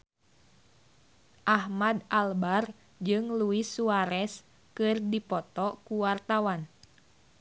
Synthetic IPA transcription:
ʔahmadalbar | d͡ʒɨŋluisuaɾɛs | kɨrdipɔt̪ɔkuwart̪awan

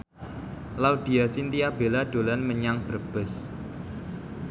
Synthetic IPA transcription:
laud̪̥i̤asint̪iab̥e̤laɖ̪̥o̤lanməɲaŋb̥ərb̥ə̤s

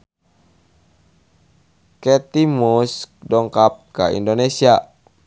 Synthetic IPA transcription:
kɛt̪imuskdɔŋkap̚kaḭndonesia

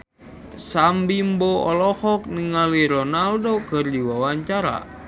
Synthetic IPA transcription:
sambimboɔlɔhɔk̚niŋaliɾɔnaldokɨrdiwawaɲt͡ʃaɾa̰

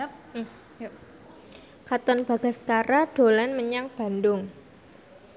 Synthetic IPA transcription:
kat̪ɔnb̥a̤ɡ̥a̤skaɾad̥o̤lanməɲaŋb̥a̤ndʊŋ

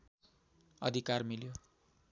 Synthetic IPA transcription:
ʌd̪ʱikarmiljo

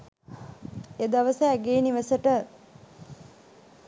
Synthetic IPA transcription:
ed̪aʋəsəæɡeːniʋəsəʈə

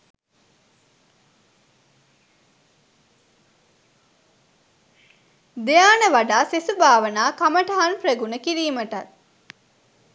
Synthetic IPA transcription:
d̪ejaːnəʋaɖaːsesubaːʋənaːkaməʈəɦanpreɡunəkiɾiːməʈat̪̚

